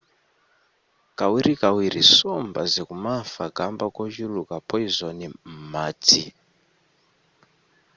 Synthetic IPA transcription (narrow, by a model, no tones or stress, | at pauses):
kawiɾikawiɾisombazekumafaɡʱambakoʒulukapʰoizonimati